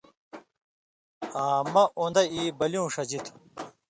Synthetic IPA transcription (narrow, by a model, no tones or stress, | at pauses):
aːmɐʔond̪ɐiːbɐljũːʂɐd͡ʑit̪ʰ